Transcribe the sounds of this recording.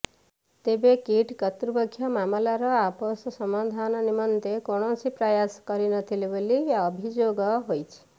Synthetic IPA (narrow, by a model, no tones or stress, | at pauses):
t̪ebekiʈkɔt̪ɾubɔkʰːjɔmamɔlaɾɔapɔsɔsɔmad̪ʱanɔnimɔnt̪ekoɽ̃ɔsipɾɔjaskɔɾinʌt̪ʰilebolijaːbʱid͡ʒoɡɔɦojt͡ʃʰi̥